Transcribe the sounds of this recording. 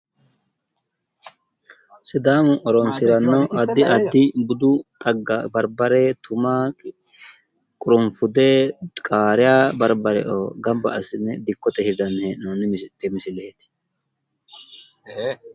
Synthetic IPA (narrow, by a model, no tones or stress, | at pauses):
sɪd̪aːmʊʔɔɾɔnsɪɾɐnːɐɐd̪ːɪʔɐd̪ːɪbʊd̪ʊt̪ʼɐɡːabɐɾbɐɾɛt̪ʰʊmaː | kʼʊɾʊmfʊd̪ɛkʼaːɾɪjaːbɐɾbɐɾɛ̰ʔo̰ɡɐmbɐʔɐsɪnːɛd̪ɪkːɔt̪ʼɛhɪd̪ɐnːɛnont̪ɛmɪsɪleːt̪ɪ̥